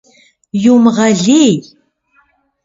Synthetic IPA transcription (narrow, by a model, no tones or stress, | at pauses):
jumʁɑɮej